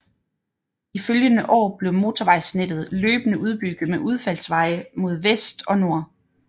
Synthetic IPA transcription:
iføljənəʔɒ̰ːb̥le̝ʊmo̝ːt͡sʰɒʋɑ̈ɪ̰sned̥ð̞̩ˠløːb̥ənəʔuð̞ˠb̥yɡ̥ð̩ˠmeʔuð̞ˠfæl̰sʋɑ̈ɪəmo̝ð̞ˠʋesd̥ɒ̽no̝ɐ̰

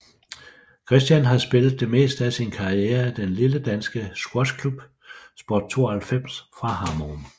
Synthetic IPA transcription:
kʰʁɛsd̥jænɦɑ̈sb̥e̝lð̩ˠd̥e̝me̝̰ːsd̥æsinkʰɑ̈ieːɐd̥enliləd̥ænsɡ̥əsɡ̥ɒd̥kʰlub̥ | sb̥ɒːd̥̚t͡sʰo̝̰ːɐhælfem̰sfʁɑ̈ɦɑ̈mon

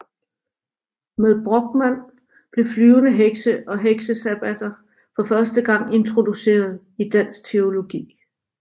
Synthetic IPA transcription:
meðˠb̥ʁɔɡ̥̚mæn̰ | b̥le̝flyːʊnəɦeɡ̥səʔɒ̽ɦeɡ̥səsæb̥æd̥ɐ | fɒ̽fɶɐsd̥əɡ̥ɑ̈ŋ̰e̝nt͡sʰʁo̝d̥use̝̰ːɐð̞ˠ | id̥æn̰sɡ̥̚t͡sʰe̝o̝lo̝ɡ̥ḭː

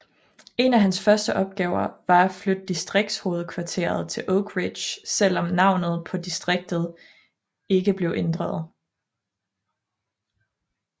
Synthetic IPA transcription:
e̝næɦænsfɶɐsd̥əʔɒ̽b̥̚ɡ̥ɛːʊɐʋɑ̈æflød̥̚ːisd̥ʁeɡ̥̚d̥sho̝ːð̞̩ˠkʰʋɑ̈t͡sʰe̝̰ɐð̞̩ˠt͡sʰe̝lʔoʊɡ̥ʰʁid̥ɕsel̰ɒ̽mnɑ̈ʊ̰nð̩ˠpʰɒ̽d̥isd̥ʁeɡ̥̚d̥ð̞̩ˠ | e̝ɡ̥əb̥le̝ʊʔe̝nd̥ʁɑð̞̩ˠ

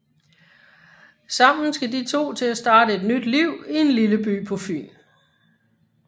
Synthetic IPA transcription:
sɑ̈m̰n̩sɡ̥ædit͡sʰo̝̰ːt͡sʰe̝læsd̥ɑ̈ːd̥əe̝d̥nyd̥liʊ̰ie̝nliləb̥y̰ːpʰɔfy̰ːl

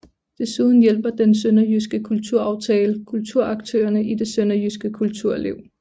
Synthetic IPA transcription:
d̥e̝suːð̞ˠn̩jel̰b̥ɐd̥ensønɐjysɡ̥əkʰult͡sʰuɐ̰ɑ̈ʊt͡sʰɛːləkʰult͡sʰuɐ̰ɑ̈ɡ̥̚t͡sʰø̰ːɐnəide̝sønɐjysɡ̥əkʰult͡sʰuɐ̰lḛʊ̰

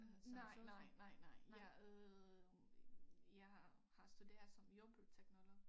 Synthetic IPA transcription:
snɑɪ̰nɪ̰nɑɪ̰nɑɪ̰jɑø | jɑɪhɑ̈hɑ̈sd̥ud̥e̝̰ːɐð̩ˠsɒ̽mjob̥ut͡sʰeɡ̥nɔlɔɡ

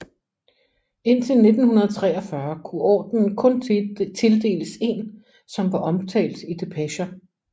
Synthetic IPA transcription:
e̝n̰t͡sʰe̝lne̝d̥n̩hunɐðˠt͡sʰʁɛ̰ːɐfɶɐkʰuʔɒ̰ːd̥nn̩kʰɔ̽nt͡sʰe̝ld̥e̝̰ːləse̝ːn | sɒ̽mʋɑ̈ʔɒ̽mt͡sʰɛ̰ːld̥id̥e̝pʰæɕɐ

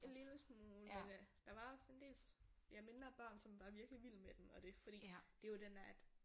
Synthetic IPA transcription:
e̝nliləsmoːlmend̥ɑ̈ʋɑ̈ɒ̽se̝nd̥e̝̰ːlsjɑ̈ɪme̝nɐb̥ɑ̰̈ːnsɒ̽mʋɑ̈ʋiɐɡ̥liʋil̰med̥emɒ̽ɾ̥e̝fɒ̽ɾ̥ḭːd̥e̝jod̥enæɐd̥

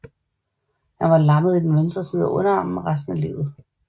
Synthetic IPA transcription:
hænʋɑ̈lɑ̈məð̞̩ˠid̥enʋensd̥ʁɐsiːð̞̩ˠɒʔɔ̽nɐɑ̈m̩eʁas̬d̥n̩ælḭːð̩ˠ

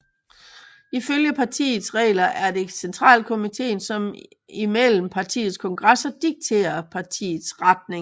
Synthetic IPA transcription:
iføljəpʰɑ̈t͡sʰḭːð̩ˠsʁɛ̰ːlɐʔæɐde̝sent͡sʰʁɑ̰̈ːlkʰo̝mit͡sʰe̝̰ːnsɒ̽m | imel̰m̩pʰɑ̈t͡sʰḭːð̞̩ˠskʰɒ̽ŋɡ̥ʁɑsɐd̥iɡ̥̚t͡sʰe̝̰ːɐpʰɑ̈t͡sʰḭːð̩ˠsʁɑd̥ne̝ŋ

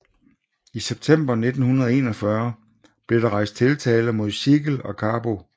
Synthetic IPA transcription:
iseb̥t͡sʰem̰b̥ɐne̝d̥n̩hunɐð̞ˠe̝̰ːnɒ̽fɶɐ | b̥le̝ɾɑ̈ʁɑ̈ɪ̰sd̥̚t͡sʰe̝lt͡sʰɛːləmo̝ð̞̰ˠsiɡ̥l̩ɒ̽kʰɑ̈ːb̥o̝

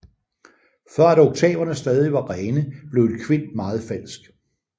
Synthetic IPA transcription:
fɶɐ̰æɾɔɡ̥̚t͡sʰɛ̰ːb̥ɐnəsd̥ɛːðˠiʋɑ̈ʁɛːnəb̥le̝ʊedkʰʋe̝n̰̥mɑ̈ːð̞̩ˠfæl̰sɡ̥

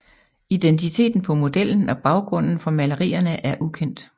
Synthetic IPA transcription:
id̥ent͡sʰit͡sʰe̝̰ːd̥n̩pʰɒ̽mo̝d̥el̰n̩ɒ̽b̥ɑ̈ʊɡ̥ʁɔ̽n̰n̩fɒ̽mæləʁḭːɐnəʔæɐʔukʰen̰d̥

